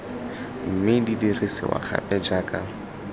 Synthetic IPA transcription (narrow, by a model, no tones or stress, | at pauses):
m̩mɪdidiresɪ̰wa̰χa̰pʼɛd͡ʒaːkʼa